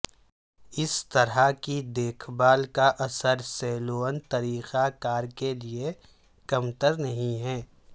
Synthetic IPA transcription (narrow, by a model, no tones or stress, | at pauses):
ɪst̪ɐɾakid̪eːkʰbaːlkaʔɐsəɾsɛːloːənt̪ɐɾiːxakaːɾkelie | kɐmt̪əɾnɐɦĩɦɛː